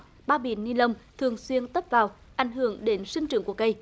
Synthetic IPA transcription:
ɓaː˧ɓḭ˧˩ənːi˧nlə˧wŋ͡mt̪ʰɨ˨˩əŋswi˧ənt̪ə˦˥p̚vaː˨˩w | ʔa˨˩jŋ̟ɦɨ˧˩əŋɗe˨˦nsi˧ŋt͡ɕɨ̰˨˧˩əŋku˧˩əkə˧j

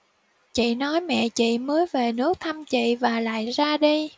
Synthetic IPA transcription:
t͡ɕḭ˧˨nɔ˨˦jmɛ̰˧˨t͡ɕḭ˧˨məː˨˦jve˨˩nɨ˦˥ək̚t̪ʰa˧mt͡ɕḭ˧˨vaː˨˩la̰ː˧˨jzaː˧ɗi˧

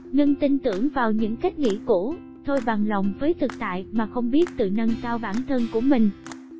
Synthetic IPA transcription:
ŋə˧nt̪ï˧nt̪ɨ˧˩əŋvaː˨˩wɲɨ̰˧˥ŋka˦˥jk̟̚ŋḭ˧˥ku˧˩ | t̪ʰo˧jɓa˨˩nla˨˩wŋ͡mvəː˨˦jt̪ʰɨ˨˩k̚t̪a̰ː˧˨jmaː˨˩xə˧wŋ͡mɓi˦˥ət̚t̪ɨ̰˨nə˧nkaː˧wɓaː˧˩nt̪ʰə˧nku˧˩əmï˨˩ŋ̟

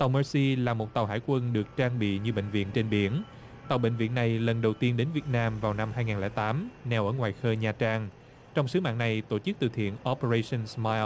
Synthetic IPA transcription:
t̪a˨˩wməː˧si˧laː˨˩mo˨˩t̚t̪a˨˩wɦa̰ː˧˥jkwə˧nɗɨ˨˩ək̚t͡ɕaː˧ŋɓḭ˧˨ɲɨ˧ɓḛ˧˨ŋ̟vḭ˧˨ənt͡ɕe˧nɓi˧˩˦ən | t̪a˨˩wɓḛ˧˨ŋ̟vḭ˧˨ənːa˨˩jlə˨˩nɗə˨˩wt̪i˧ənɗe˨˦nvi˨˩ət̚naː˧mvaː˨˩wna˧mhaː˧jŋaː˨˩nlɛ̰ː˧˩t̪aː˨˦mnɛ˨˩wʔəː˧˩ŋwaː˨˩jxəː˧ɲaː˨˩t͡ɕaː˧ŋ | t͡ɕɔ˧wŋ͡msɨ˨˦ma̰ː˧˨nna˨˩jt̪o˧˩t͡ɕɨ˦˥k̚t̪ɨ̰˧˩t̪ʰḭ˧˨ənʔɔ˧pə˧e˧sə˧nsmaː˧j

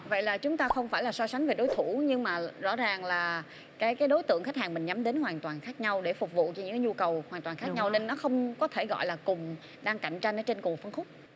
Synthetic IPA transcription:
və̰˧˨jlaː˨˩t͡ɕʊ˨˦ŋ͡mt̪aː˧xə˧wŋ͡mfaː˧˩jlaː˨˩sɔ˧sa˨˦jŋ̟ve˨˩ɗo˨˦jt̪ʰu˧˩ɲɨ˧ŋmaː˨˩zɔ̰˧˥zaː˨˩ŋlaː˨˩ | kaː˨˦jkaː˨˦jɗo˨˦jt̪ɨ̰˧˨əŋxa˦˥k̚haː˨˩nmï˨˩ŋ̟ɲa˨˦mɗe˨˦nhwaː˨˩nt̪waː˨˩nxaː˦˥k̚ɲa˧wɗe˧˩fʊ˨˩k͡p̚vṵ˧˨t͡ɕɔ˧ɲɨ̰˧˥ŋkːaː˨˦ɲu˧kə˨˩whwaː˨˩t̪waː˨˩nxaː˦k̚ɲa˧wne˧nːɔ˨˦xə˧wŋ͡mkɔ˨˦t̪ʰe˧˩ɣɔ̰˧˨jlaː˨˩kʊ˨˩ŋ͡m | ɗaː˧ŋka˧˩jŋ̟t͡ɕa˧jŋ̟ʔəː˧˦t͡ɕe˧nkʊ˨˩fə˧nŋxʊ˦˥k͡p̚

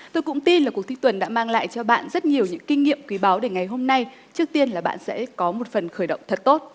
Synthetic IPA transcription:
t̪o˧jkʊ̰˧˥ŋ͡mt̪i˧nla˨˩kwək̚t̪ʰːŋt̪wə˨˩nɗa̰ː˧˥maː˧ŋla̰ː˧˨jt͡ɕɔ˧ɓa̰ː˧˨nzə˦˥t̚ɲi˨˩əwɲɨ̰˧˥ŋkï˧ŋ̟ŋḭ˧˨əmkwi˨˦ɓaː˨˦wɗe˧˩ŋa˨˩jɦo˧mna˧j | t͡ɕɨ˦˥ək̚t̪i˧ənlaː˨˩ɓa̰ː˧˨nsɛ̰˧˥kɔ˨˦mo˨˩t̚fə˨˩nxəː˧˩jɗə̰˧˨wŋ͡mt̪ʰə˨˩t̚t̪o˦˥t̚

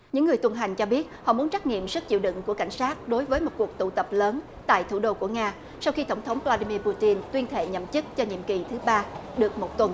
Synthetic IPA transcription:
ɲɨ̰˧˥ŋːɨ˨˩əjt̪wə˧˩nɦa˨˩jŋ̟t͡ɕɔ˧ɓi˦˥ət̚hɔ̰˧˨mu˨˦ənt͡ɕa˦˥k̚ŋḭ˧˨əmsɨ˦˥k̚t͡ɕḭ˧˨wɗɨ̰˧˨ŋku˧˩əka˧˩jŋ̟saː˦˥t̚ɗo˨˦jvəː˨˦jmo˨˩t̚ku˨˩ək̚t̪ṵ˧˩t̪ə˨˩p̚ləː˨˦n | t̪a̰ː˧˨jt̪ʰu˧˩ɗo˧ku˧˩əŋaː˧ | sa˧wxi˧t̪ə˧˩wŋ͡mt̪ʰə˨˦wŋ͡mvlaː˧ɗi˧mi˧pu˧t̪i˧nt̪wi˧ənt̪ʰḛ˧˨ɲə̰˧˨mt͡ɕɨ˦˥k̚t͡ɕɔ˧ɲḭ˧˨mki˨˩t̪ʰɨ˨˦ɓaː˧ɗɨ˨˩ək̚mo˨˩t̚t̪wə˨˩n

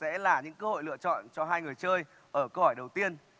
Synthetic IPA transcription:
sɛ̰˧˥laː˨˩ɲɨ̰˧˥ŋkəː˧ho̰˧˨lɨ̰˧˨ət͡ɕɔ̰˧˨nt͡ɕɔ˧ɦaː˧jŋɨ˨˩əjt͡ɕəː˧j | ʔəː˧˩kəː˧hɔ˧˩jɗə˨˩wt̪i˧ən

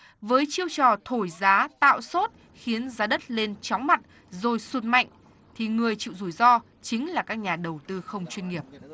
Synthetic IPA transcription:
vəː˨˦jt͡ɕi˧əwt͡ɕɔ˨˩t̪ʰo˧˩jzaː˨˦t̪a̰ː˧˨wso˦˥t̚ | xi˨˦ənzaː˨˦ɗə˦˥t̚le˧nt͡ɕɔ˨˦wŋ͡mma˨˩t̚ | zo˨˩jsu˨˩t̚ma̰˧˨jŋ̟ | t̪ʰi˨˩ŋɨ˨˩əjt͡ɕḭ˧˨wzu˧˩jzɔ˧ | t͡ɕï˨˦ŋ̟laː˨˩kaː˦˥k̚ɲaː˨˩ɗə˨˩wt̪ɨ˧xə˧wŋ͡mt͡ɕwi˧nŋi˨˩əp̚

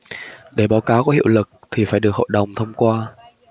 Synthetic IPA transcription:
ɗe˧˩ɓaː˨˦wkaː˨˦wkɔ˨˦hḭ˧˨ə˨wlɨ˨˩k̚t̪ʰi˨˩faː˧˩jɗɨ˨˩ək̚o̰˧˨jɗə˨˩wŋ͡mt̪ʰə˧wŋ͡mkwaː˧

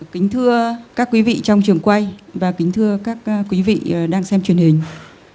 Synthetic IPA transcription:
kï˨˦ŋ̟t̪ʰɨ˧əkaː˦˥kːwi˨˦vḭ˧˨t͡ɕɔ˧wŋ͡mt͡ɕɨ˨˩əŋkwa˧jvaː˨˩kï˨˦ŋ̟t̪ʰɨ˧əkaː˦˥k̚kːwi˨˦vḭ˧˨˩ɗaː˧ŋsɛ˧mt͡ɕwi˨˩ənhï˨˩ŋ̟

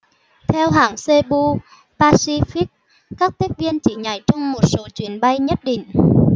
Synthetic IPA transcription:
t̪ʰɛ˧wɦa̰ː˨˧˩ŋse˧ɓu˧ | paː˧si˧fi˦˥k̚ | kaː˦˥k̚t̪i˦˥k̚vi˧ənt͡ɕi˧˩ɲa˨˩jt͡ɕɔ˧wŋ͡mmo˨˩t̚so˨˦t͡ɕwi˨˩˦ənɓa˧jɲə˦˥t̚ɗḭ˧˨ŋ̟

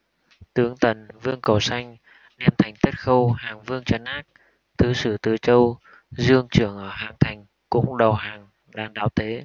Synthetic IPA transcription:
t̪ɨ˨˦əŋt̪ə˨˩nvɨ˧əŋkə˨˩wsa˧jŋ̟ | ɗɛ˧mt̪ʰa˨˩jŋ̟t̪ʰə˦˥t̚xə˧whaː˨˩ŋvɨ˧əŋt͡ɕə˨˦nʔaː˦˥k̚ | t̪ʰɨ˨˦sɨ˧˩t̪ɨ˨˩t͡ɕə˧w | zɨ˧əŋt͡ɕɨ˧˩əŋʔəː˧˩ɦaː˨˩ŋt̪ʰa˨˩jŋ̟ | kʊ̰˧˥ŋ͡mɗə˨˩wɦaː˨˩ŋ | ɗaː˧ŋɗaː˨˦wt̪ʰe˨˦

